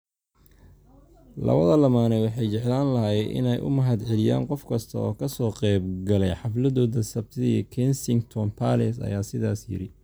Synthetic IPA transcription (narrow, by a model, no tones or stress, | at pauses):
lɐ̰βɐðɐlɐmaːnɛwɑħɑjt͡ʃɛʕlaːnlɐɦjɛʔɪ̰nɛjʔʊ̰mɐɦɐd̪ʕɛlɪja̰ːŋqɔfkʰɐst̪ʰɐ̰ɔːkʰɐsɔːqɛjbɡɐlɛjħɑflɐðɔːðɐsɐbt̪ʰɪðkʰɛnsɪŋɡt̪ʰɔnpʰalɛsɐ̰jaːsɪðaːsjɪ̰ɾɪ